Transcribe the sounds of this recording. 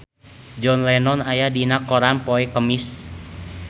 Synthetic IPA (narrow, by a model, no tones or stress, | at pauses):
d͡ʒɔnlɛnɔnajadinakːɔɾanpɔɛkəmɪs